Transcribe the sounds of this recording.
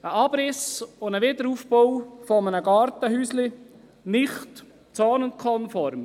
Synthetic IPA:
əɑb̥ɾɪsʊnəʋɪd̪əɾuːfbowfɔmənəɡɑːɾtəɦyːslɪ | nɪχt | t͡sɑːnʊnt̚kʰɔnfɔɾm

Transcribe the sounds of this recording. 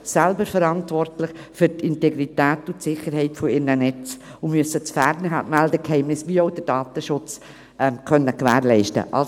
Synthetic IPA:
sɛlbəɾfɛɾɑntvɔrtlɪxfyɾtɪntɛɡɾitæːtʊtsɪχəɾhɛɪtfɔɪɾnənɛt͡sʊmyəsət͡sfæɾnəɦamældəkhɛɪmnɪsʋioʊdəd̥ɑːt̪əʃʊt͡s | ʔɛmkʰœnːəkʋæːɾlɛɪʃtə̰ʔɑ̰l

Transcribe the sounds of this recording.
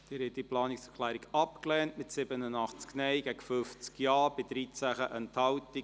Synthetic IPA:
d̥ɪːɾhɛt̚ːiplɑːniksɛkʰlæːɾiɡɑpklɛːntmɪtsɪbənənɑχt͡sknɛɪɡɛɡ̥əfʏft͡skjɑːb̥ɪdɾiːt͡sæχəʔɛnthɑwti

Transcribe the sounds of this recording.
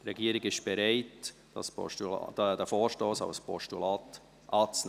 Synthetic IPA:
dɾɛɡiːəɾɪɡɪʃb̥ɛɾaɪt | sɔ̰tṵ̥dəfɔːɾʃtoːsa̰ʊspʰɔʃtulɑːt | ʔɑːt͡sn

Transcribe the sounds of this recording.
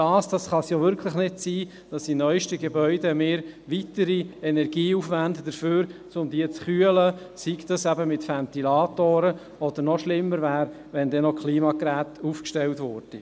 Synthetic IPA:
dɑːsd̥ɑsχɑsjoʋʏɾkʰləχnɪd̥siː | d̥ɑsinœʏʃtəɡebœʏdemeːɾʋitəɾiɛnɛɾɡ̥iːufʋændəd̥əɾføːɾt͡sʊmd̥iət͡sχyələ | sikd̥̪ɑsæbəmɪtfænt̪ilɑːt̪oːɾə | ɔd̥̪əɾnɔʃlɪmːəɾvæːɾ | ʋɛndɛnɔkʰliːmɑkɾæːtʰuːfkʃtɛltvʊːɾd̥i

